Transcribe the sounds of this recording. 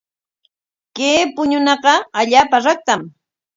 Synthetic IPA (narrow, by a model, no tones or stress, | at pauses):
keːpʊɲʊnɑqɑaʎaːpaɾak̚t̪am